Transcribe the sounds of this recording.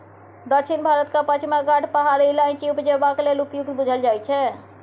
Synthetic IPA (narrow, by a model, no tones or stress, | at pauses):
d̪əkt͡ʃʰinbʱaɾət̪kapət͡ʃʰimaɡaʈʰpaɦaɾəlãt͡ʃiupd͡ʒebaklelupjuk̚t̪bud͡ʒʱəld͡ʒajt͡ʃʰɛ